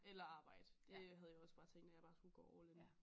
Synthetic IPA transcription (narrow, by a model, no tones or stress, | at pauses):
elɐɑ̈ːb̥ɑ̈ɪ̰d̥əd̥e̝ɦæð̞ˠjaɒ̽sb̥ɑ̈ːt͡sʰeŋ̰ɡ̥d̥æjäb̥ɑ̈ːsɡ̥uɡ̥ɒ̰ːɒʊlen